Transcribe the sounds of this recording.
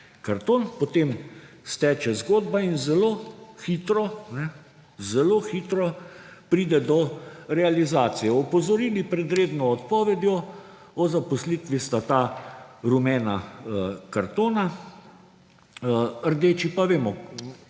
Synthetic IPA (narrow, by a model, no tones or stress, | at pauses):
kaɾt̪oːnpɔt̪eːm | st̪ɛːt͡ʃɛzɡoːd̪bainzɛloːxiːt̪ɾɔnɛ | zɛloxiːt̪ɾɔ | pɾiːd̪ɛd̪ɔɾɛalizaːt̪sijɛɔpɔzɔɾiːlipɾɛd̪ɾeːd̪nɔːt̪pɔːʋɛd̪jɔ | ɔzapɔsliːt̪ʋist̪at̪aɾumɛːna | kaɾt̪oːna | əɾd̪eːt͡ʃipaʋeːmɔ